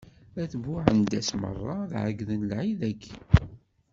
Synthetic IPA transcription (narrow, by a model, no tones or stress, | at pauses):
æθvʊʕənd̪æsmə̰rˤːɑðʕəɡðənlʕiðækː